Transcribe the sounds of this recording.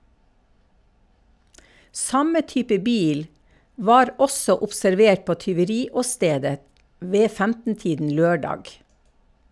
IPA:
ˈsɑmə ˈtyːpə ˈbiːl ˈʋɑːɾ ˈɔsɔ ʊpsæɾˈʋeːʈ ˈpoː tʏʋəˈɾiːɔˌsteːdə ˈʋeː ˈfæmtn̩ˌtiːdn̩ ˈløːˌɖɑːɡ

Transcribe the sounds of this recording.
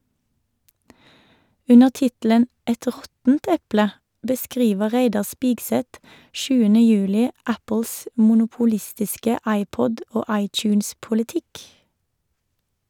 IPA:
ˈʉnəʁ ˈtɪtl̩ən ˈɛt ˈʁɔtn̩t ˈɛplə bəˈskʁiːʋə ˈʁeɪdɑ ˈspɪkˌsɛt ˈʃʉːənə ˈjʉːlɪ ˈæpəls mʊnʊpʊˈlɪstɪskə ˈɑɪˌpɔd ˈoː ˈɑɪˌtjʉːnspʊlɪˌtɪk

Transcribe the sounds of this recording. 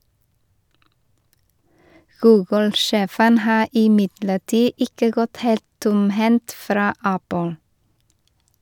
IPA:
ˈɡʉːɡl̩ ˈʃeːfən ˈhɑː ɪˈmɪdləˌʈiː ˈɪkə ˈɡɔt ˈheːlt ˈtʊmˌhɛnt ˈfɾɑː ˈæpl̩

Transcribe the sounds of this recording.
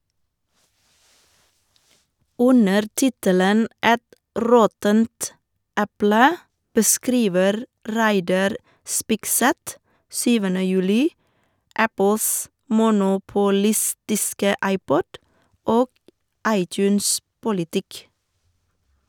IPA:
ˈʔʉnəɾ ˈtɪtələn ˈʔɛt ˈɾɔtənt ˈʔɛplə bəˈskɾiːʋəɾ ˈɾæɪdɑɾ ˈspɪkˌsɛt ˈsyːʋənə ˈjʉːlɪ ˈʔæpəls mʊnʊpʊˈlɪstɪskə ˈʔɑɪˌpɔd ˈoː ˈʔɑɪˌtjʉːnˌspʊlɪˌtɪk

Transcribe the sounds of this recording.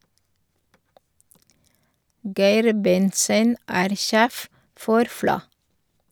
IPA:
ˈɡæɪɾ ˈbɛntsən ˈæːɾ ˈʃeːf ˈfɔɾ ˈflɑ

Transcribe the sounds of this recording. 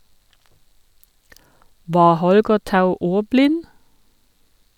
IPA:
ˈʋɑː ˈhɔlɡə ˈtɑʉ ˈuːʁˌblɪn

